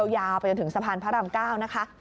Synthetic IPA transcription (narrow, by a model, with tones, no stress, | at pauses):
wjaː˧wpa˧jt͡ɕo˧nt̪ʰɯ˩˦ŋsa˧pʰaː˧npʰa˦˥ɾa˧mkaː˥˩wna˦˥kʰa˦˥